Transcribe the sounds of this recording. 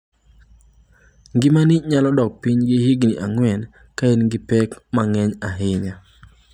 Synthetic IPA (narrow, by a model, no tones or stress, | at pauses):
ŋɡɪmaniɲalɔdɔk̚piɲɡɪɦiɡniʔaŋwɛn | kaenɡɪpɛkmaŋɛɲaɦɪɲa